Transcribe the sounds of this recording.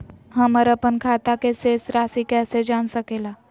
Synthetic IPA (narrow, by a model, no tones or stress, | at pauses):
ɦɐməɾəpənkʰaːt̪akeseːsɾaːsikɛːsed͡ʒaːnsəkeːlaː